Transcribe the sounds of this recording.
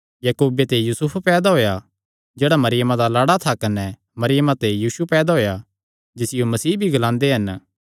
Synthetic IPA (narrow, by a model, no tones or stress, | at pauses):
jɐkoːbet̪ejuːsʊpʰpɛːd̪aɦoːja | d͡ʒeːɽamɐɾɪjəmãd̪alaːɽat̪ʰakɐnɛ | mɐɾɪjəmãt̪ejuːsupɛːd̪aɦoːja | d͡ʒɪsɪjomɐsiːbʱiɡɐlãːnd̪eɦɐn